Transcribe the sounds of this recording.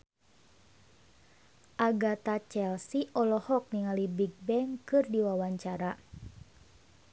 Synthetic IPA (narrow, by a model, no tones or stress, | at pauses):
ʔaɡat̪at͡ʃɛlsiʔɔlɔhɔk̚niŋalibiɡ̚bɛŋkɨrdiwawaɲt͡ʃaɾa